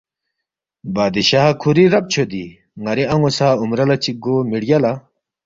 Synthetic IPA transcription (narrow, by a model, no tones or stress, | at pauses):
baːd̪iɕaːkʰuɾiɾɐp̚t͡ɕʰod̪i | ŋɐɾiɐŋosaːumɾɐlɐt͡ɕiɡomiɽjala